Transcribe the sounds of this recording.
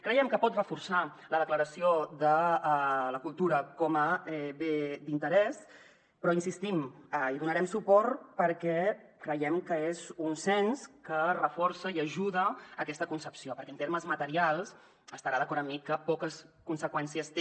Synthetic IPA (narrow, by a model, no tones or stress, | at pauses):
kɾəjɛmkəpɔt̪rəfursa | ləð̞əkləɾəsioðə | ləkulˠt̪uɾəkɔməɛβed̪int̪əɾɛs | pɾɔinsist̪iməiðunəɾɛmsupɔɾt̪pəɾkɛ | kɾəjɛmkəezunsɛnskərəfɔɾsəiəʒuðəəkɛst̪əkunsəpsiopəɾkɛənt̪eɾməzmət̪əɾialˠs | əst̪əɾaðəkɔɾəmːikəpɔkəskunsəkwɛnsiəs